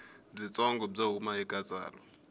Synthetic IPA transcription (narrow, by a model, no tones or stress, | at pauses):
b͡ʐit͡sʼɔŋɡɔb͡ʐaɦumaikʼat͡sʼa̰ːrɔ